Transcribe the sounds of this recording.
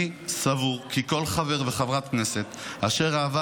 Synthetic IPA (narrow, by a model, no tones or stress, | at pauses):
isavuʁkiko̞lχave̞ʁveχavʁat̪kne̞se̞t̪aʃe̞ʁaːva